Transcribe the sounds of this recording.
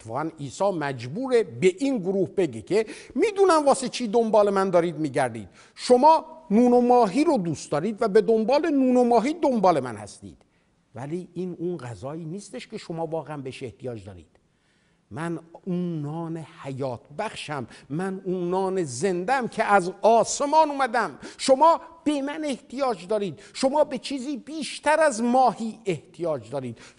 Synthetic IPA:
tt̪ʰːe̥fɒːɣæniːsɒːmæd͡ʒbuːɾebeʔinɡoɾuːhbe̞ɟecʰemiːd̪unæmvɒːset͡ʃʰiːd̪o̞mbɒːle̞mænd̪ɒːɾiːd̪miːɟæɾd̪ḭːd̪̥ | ʃo̞mɒːnuːnomɒːɦiːɾod̪uːst̪d̪ɒːɾiːd̪væbe̞d̪o̞mbɒːle̞nuːnomɒːɦiːd̪ombɒːle̞mænhæ̰st̪ḭːd̪̥ | væliːʔiːnunɣæzɒːiːniːst̪e̞ʃcʰe̞ʃomɒːvɒːɣeæmbeʃeht̪ijɒːd͡ʒd̪ɒːɾḭːd̪̥ | mænunɒːnehæjɒːt̪ʰbæxʃæmːænuːnɒːnezend̪æmcʰeʔæzɒːse̞mɒːnuːmæd̪æmʃomɒːb̥e̞mæne̞ht̪ʰijɒːd͡ʒd̪ɒːɾiːd̪̥ʃo̞mɒːbe̞t͡ʃʰiːziːbiːʃt̪ʰæɾæzmɒːhiːeht̪ʰijɒːd͡ʒd̪ɒːɾiːd̪̥

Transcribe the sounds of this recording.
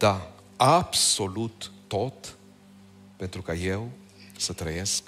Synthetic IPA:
d̪a | absolut̪ː | ot̪ | pent̪ɾukəjew | sət̪ɾəjesk

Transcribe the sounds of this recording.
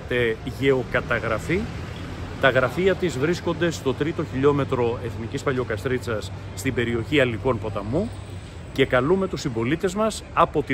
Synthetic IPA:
t̪e̞ʝe̞o̞kɐt̪ɐɣɾɐfi | t̪ɐɣɾɐfiɐt̪izvɾisko̞nd̪e̞st̪o̞t̪ɾit̪o̞çiʎo̞me̞t̪ɾo̞e̞θnicispɐʎo̞kɐst̪ɾit͡sɐsː | t̪ibe̞ɾio̞çiɐliko̞npo̞t̪ɐmu | ce̞kɐlume̞t̪usimbo̞lit̪e̞zmɐsɐpo̞t̪i

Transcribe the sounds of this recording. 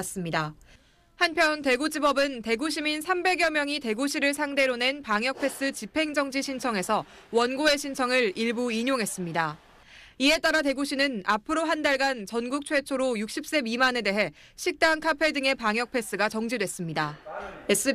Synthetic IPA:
s͈ɯmɲida | hanpʰjʌnte̞ɡud͡ʑibʌbɯnte̞ɡuɕʰiminsʰambe̞ɡjʌmjʌŋite̞ɡuɕʰiɾɯɭs̬ʰaŋde̞ɾone̞npaŋjʌk̚pʰe̞s͈ɯt͡ɕipʰe̞ŋd͡ʑʌŋd͡ʑiɕʰint͡ɕʰʌŋe̞sʰʌ | wʌnɡoe̞ɕʰint͡ɕʰʌŋɯɾiɭbuiɲoŋɦe̞s͈ɯmɲida | ie̞t͈aɾate̞ɡuɕʰinɯnapʰɯɾoɦandaɭɡant͡ɕʌnɡuk̚t͡ɕʰwe̞t͡ɕʰoɾojuk̚ɕ͈ʰip̚s͈e̞mimane̞de̞ɦe̞ | ɕʰik̚t͈aŋkʰapʰe̞dɯŋe̞paŋjʌk̚pʰe̞s͈ɯɡat͡ɕʌŋd͡ʑidwe̞s͈ɯmɲidaes͈ɯ

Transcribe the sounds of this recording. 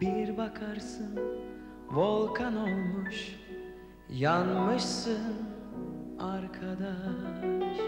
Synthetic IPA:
biɾbakʰaɾsɯn | volˠkʰanolˠmuʃ | janmɯʃsɯn | aɾkʰad̪a

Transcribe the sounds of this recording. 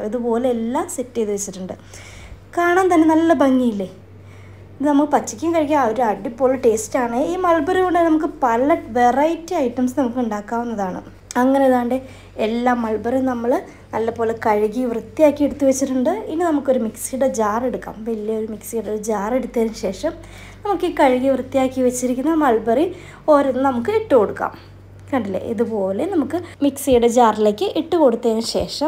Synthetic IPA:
iðupo̞ːle̞elːaːsetːɨjɐðɨʋet͡ɕːiʈːuɳɖɨ | kaːɳaːnt̪ɐnːe̞nɐlːɐbɐŋːijilːe | iɨnɐmɐɭpɐt͡ɕːikʲːuŋkɐɻik̬ʲːaɐoɾuɐɖipːoːɭɨʈe̞ːstaːɳɨiːmɐlbɐɾɐkoɳɖɨnɐmukːɨpɐlɐʈʋe̞rɐjitːɨɐjʈːɐmsnɐmukːɨuɳɖaːkːaːʋunːɐðaːɳɨ̰ | ɐŋːɐneɐðaːɳɖe | elːaːmːɐɭbɐɾɐmnɐmːɐɭ | nɐlːɐpːo̞ːle̞kɐɻiɣiʋrɨt̪ːijaːkːieɽut̪ːuʋet͡ɕːiʈːuɳɖɨinːɨnɐmukːo̞ɾumiksijuɽe̞d͡ʑaːre̞ɽukːa̰ːmʋɐlijɐoɾumiksijuɽeoɾd͡ʑaːre̞ɽut̪ːɐːɾunɕe̞ːʂɐm | nɐmukːiːkɐɻiɣiʋrɨt̪ːijaːkːiʋɐt͡ɕːiɾikʲːunːɐmɐɭbɐri | o̞ːɾunːɨnɐmukːɨeʈːɨko̞ɽukːa̰ːm | kɐɳɖilːḛʔḭðupo̞ːle̞nɐmukːɨmiksijuɽe̞d͡ʑaːrileːkʲːɨʔeʈːɨkoɽut̪ːɐːnɕe̞̰ːʂɐm

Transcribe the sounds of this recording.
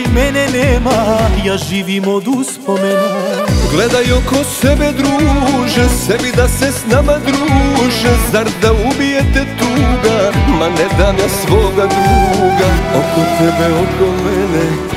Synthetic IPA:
mɛnɛneːmajaːʒiːʋimod̪uspomenuɡled̪ajokosɛbɛd̪ɾuːʒɛsɛmid̪asesnamad̪ɾuːʒɛzaɾd̪aubijet̪ɛt̪uɡamanɛd̪amasʋoːɡad̪ɾuːɡaokot̪ɛbɛokomɛne

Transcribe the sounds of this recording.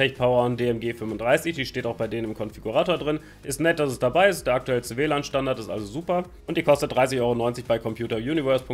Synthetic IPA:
tɛç̚pʰaʊɐndeːɛmɡeːfʏmvʊndʁaɪsɪçd̥iːʃteːtaʊxb̥aɪdeːnənɪmkʰɔnfiɡuʁaːtoːɐdʁɪn | ʔɪstnɛt̚d̥asɛsd̥abaɪɪstd̥eːɐak̚tuɛlət͡sːveːlaːnʃtandaɐtɪstʔa̰lzozuːpɐ | ʔʊntd̥iːkʰɔstət̚d̥ʁaɪsɪçʔɔʏʁonɔʏnt͡sɪçb̥aɪkʰɔmpʰjuːtɐjuːnivɛɐspʊŋ

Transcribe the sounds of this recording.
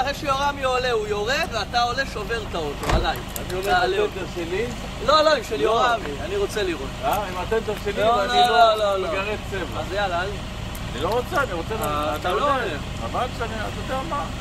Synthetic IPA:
aχeʃejoʁamiole̞ujo̞ʁed̪veat̪ao̞le̞ʃo̞ve̞ʁt̪aot̪oa̰laj | aniomelmt̪aʃeli | lo̞lo̞imʃeljoʁamianiʁo̞t͡seliʁot̪aimat̪emt̪aʃilioalioololooɡaʁet͡seveazajalaali | aniloʁot͡seaniʁot͡selaat̪aloe | amaʃaniat̪od̪eama

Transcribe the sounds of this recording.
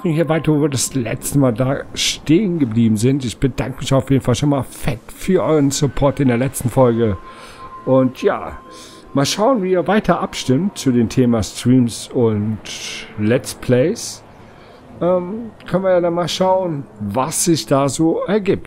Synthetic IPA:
maχnhiːɐvaɪtɐvoviːɐdaslɛ̰t͡stəmaːldaːʃteːənɡəbliːbm̩zɪntɪçb̥əda̰ŋkəmɪçaʊfjeːdn̩falʃonmaːlfɛtfyːɐʔɔʏʁənsʊpʰɔɐtɪndeːɐlɛt͡stn̩fɔlɡə | ʔʊntʰja̰ː | maːlʃaʊənviːiːɐvaɪtʰɐʔapʃtɪmtt͡sudeːmtʰeːmastʁ̥iːmsʊntlɛt͡spʰl̥ɛɪs | ʔɛːmkʰœnviɐjaːdanmaːlʃaʊənvasz̥ɪçd̥aːzoːɛɐɡiːp̚t

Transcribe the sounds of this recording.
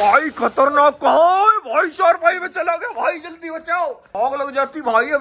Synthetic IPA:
bʱaːikʰɐt̪əɾnaːkːɐɦãɛbʱaːiʃaːɾbʱaːimẽt͡ʃɐlaɡɐjabʱaːid͡ʒɐld̪ibɐt͡ʃaːo | ɔːɡlɐɡd͡ʒaːt̪ibʱaːie

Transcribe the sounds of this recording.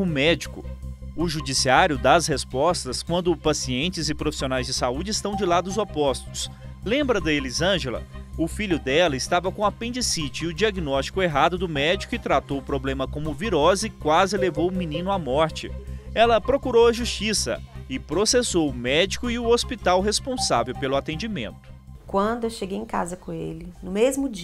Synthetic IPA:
ʊmɛd͡ʒikʊ̰ʊʒud͡ʒisiaɾjʊd̪ɐshespɔst̪ɐskwɐ̃nd̪ʊpasiẽnt͡ʃɪzɪpɾofi̥sionajzd͡ʒɪsaud͡ʒɪːst̪ɐ̃w̃d͡ʒɪlad̪ʊʊzopɔst̪ʊs | lẽmbɾɐd̪ɐelizɐ̃ʒelɐ̰ʊfiʎʊd̪ɛlɐɪst̪avɐkõɐpẽd͡ʒɪsit͡ʃɪɪʊd͡ʒiaɡnɔst͡ʃi̥kʊeɦad̪ʊd̪ʊmɛd͡ʒikʊɪt̪ɾat̪owʊpɾoblẽmɐkõmʊviɾɔzɪkwazɪlevowʊminĩnʊamɔɾt͡ʃɪ̰ɛlɐpɾokuɾowɐʒust͡ʃisɐ̰ɪpɾosesowʊmɛd͡ʒikʊɪʊospit̪awɦespõsa̰vewpelʊat̪ẽd͡ʒimḛ̃nt̪ʊ̥kwɐ̃nd̪ʊewʃeɡejẽka̰zɐkõelɪnʊmezmʊd͡ʒ

